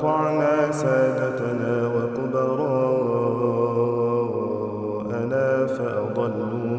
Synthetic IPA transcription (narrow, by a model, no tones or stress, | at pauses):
ɑʕnaːsaːd̪at̪anaːwaqʊbɑɾˤɑ | ʔanaːfaʔɑd̪ˤɑlːʊ